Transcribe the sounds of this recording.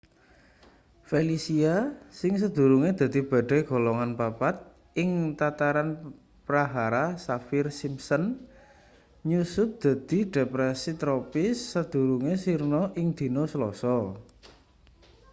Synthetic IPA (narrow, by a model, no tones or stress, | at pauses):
felisiasɪŋs̬əd̪̥ṳɾuŋed̪̥ä̤d̪̥i̤b̥a̤ɖ̥a̤ɡ̥o̤lɔŋanpapat̪̚ | ʔɪŋt̪at̪aɾan | pɾaɦaɾasafɪrsimsən | ɲusʊt̚d̪̥ä̤d̪̥i̤ɖ̥epɾɛsit̪ɾopɪsːəd̪̥ṳɾuŋesirnɔʔɪŋd̪̥i̤nɔsəlɔsɔ